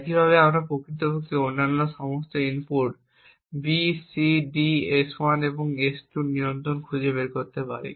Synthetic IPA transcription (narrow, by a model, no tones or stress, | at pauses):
ɛkibʱaβeamɾapokɾit̪obʱokʰːeonːanːoʃɔmost̪oimpoɾʈ | bisiɖieswaneboŋesʈuniɾont̪ɾonkʰud͡ʑebeɾkoɾt̪epa̰ɾḭ